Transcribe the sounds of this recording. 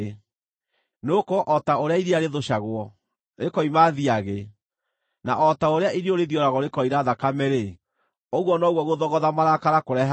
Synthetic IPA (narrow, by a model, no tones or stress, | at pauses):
nokɔʔɔtaoɾeaiɾeaɾeðoɕaɣwɔ | ɾekɔimaðiaɣe | naʔɔtaoɾeaʔiɾioɾeðjɔɾaɣɔɾekɔiɾaðakamɛɾe | ɔɣwɔnɔɣwɔɣoðɔɣɔðamaɾakaɾakoɾɛɦ